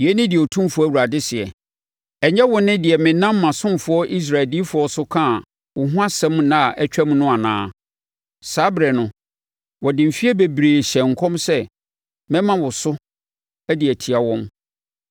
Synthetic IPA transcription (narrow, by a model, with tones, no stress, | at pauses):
jɛ˦nɪ̃˦dɪ˨ɔ˨tʰũ˦m˦fʊ˦æ˦˨wu˨ɾa˨dɪ˦sɪ˨ɛ̰˨ | ɛ˨ɲɛ˦wʊ˨nɪ̃˦dɪ˨ɛ˨mɪ̃˨nã˦mː˦ã˨sʊ̃˦mfʊ˨ɔ˦ʔi˦s̬ɾa˨ɪ˨ldi˦fʊ˨ɔ˦sʊ˦kʰã˦˨ | wʊ˨ɦʊ̃˦a˦sɛ̃˦mnã˦˨ʔɛ˦t͡ɕᶣæ˦mũ˦nʊ̃˦a˨nã̰ː˦ | saː˨˦bɾɛ˨nʊ̃˨ | wɔ˨dɪ̃˨m̩˨fi˦ɛ˦be˨bɾeː˨ɕɛ̃˨ŋ̩˨kʰɔ̃˦msɛ˦ | mɛ̃˦mã˨wʊ˨sʊ˦ | æ˦dɪ˨æ˨tʰi˨a˨wɔ̃˦m